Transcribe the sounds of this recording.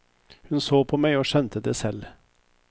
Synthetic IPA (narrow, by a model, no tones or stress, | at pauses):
hʉnsoːpʰɔmæɪoːʃɛnt̪ʰəd̪eːsɛlː